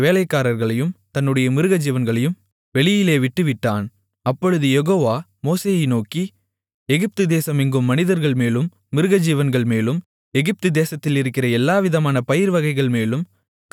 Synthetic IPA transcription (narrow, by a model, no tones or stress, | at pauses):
ʋeːlɐɪkːaːɾɐɾɣɐɭɐjɯmt̪ɐnːɯɽɐjɐmɪɾɯɣɐd͡ʒiːʋɐnɡɐɭɐjɯm | ʋɛɭɪjɪleːʋɪʈːɯʋɪʈːaːn | ɐpːɔɻɯðɯjɛɣoːʋaː | moːseːjɪnoːki | ɛɣɪp̚t̪ɯd̪eːsɐmɪŋɡɯmːɐnɪðɐɾɣɐɭmeːlɯmː | ɪɾɯɣɐd͡ʒiːʋɐnɡɐɭmeːlɯm | ɛɣɪp̚t̪ɯd̪eːsɐt̪ːɪlɪɾɯkːɪrɐɛlːaːʋɪðɐmaːnɐpɐjɪɾʋɐɣɐɪɣɐɭmeːlɯm | k